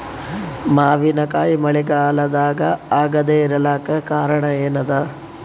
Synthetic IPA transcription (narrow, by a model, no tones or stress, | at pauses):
maːʋinɐkaːjimɐɭiɡaːlɐd̪aːɡɐaːɡɐd̪eːɾɐlaːkɐkaːɾɐɳɐeːnɐd̪aː